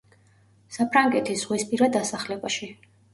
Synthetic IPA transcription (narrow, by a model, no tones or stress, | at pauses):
sapʰɾaŋɡɛt̪ʰisz̥ʁwispʼiɾad̪asaχlɛbaʃi